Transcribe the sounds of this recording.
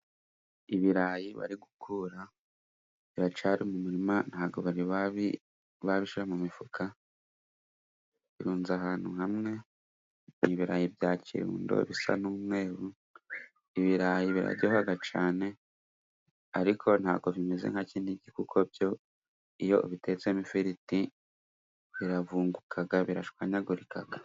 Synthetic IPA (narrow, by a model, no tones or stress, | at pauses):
iβiɾajiβa̰ɾiɡukʰuɾa | βiβat͡ʃaɾimumuɾiman̥haːɡo̞βaɾiβaβi | βaβiʃiɾamumifukʰa | βiɾuːnzaɦaːn̥huhamŋe̞ | niβiɾajivjaːcḭɾṵːndo̰βisa̰nuːmŋe̞ːɾu | iβiɾajiβiɾa̰ɟohaɡat͡ʃa̰ːne̞ | aɾikʰo̞nha̰ːɡo̞vime̞ze̞̰ŋ̥haciːndiɟikukʰo̞bjo̞ | ijo̞βite̞t͡se̞mifiɾiti | βiɾavuːŋɡukʰaɡaβiɾa̰ʃkwaɲaɡuɾikʰaɡ̥a